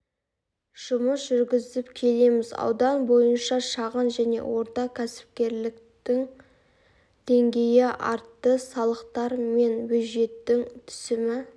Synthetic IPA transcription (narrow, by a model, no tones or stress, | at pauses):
ʒ̥ʊməsʒʏɾɡʲɪzɪpkʲʰe̞le̞mɪzɑ̰wd̪ɑnbo̞jənʃɑʃɑʁənʒæne̞̰wo̞ɾt̪ɑkʲʰæsɪ̥p̚kʲe̞ɾlɪkt̪ɪŋ | d̪̥e̞ŋɡʲe̞jɪʔɑɾt̪ːəsɑlˠəqt̪ɑɾme̞nbɵʒe̞t̪ːɪŋt̪ʰʏ̥sɪmɪ